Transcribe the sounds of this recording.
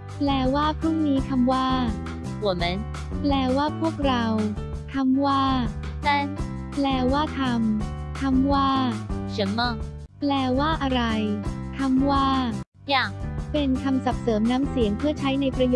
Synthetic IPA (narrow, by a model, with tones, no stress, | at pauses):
plɛː˧waː˥˩pʰɾu˥˩ŋniː˦˥kʰa˧mwaː˥˩ | hu˨˩˦me˦˥n | plɛː˧˩waː˥˩pʰu˥˩ək̚ɾa˧wt̪ʰa˧˥mwaː˥˩na˥˩n | plɛː˧waː˥˩t̪ʰa˧m | t̪ʰa˧mwaː˥˩ɕɯ˦nmɔː˥˩ | plɛː˧˩waː˥˩ʔa˧ɾa˧jt̪ʰa˧mwaː˥˩ | ja˧˩pe˧nkʰa˧msa˨˩p̚sɤː˩˦mnaː˦˥msi˨˩˦ŋpʰɯ˥˩ɐt͡ɕʰa˦˥jna˧jpɾa˧jo˨˩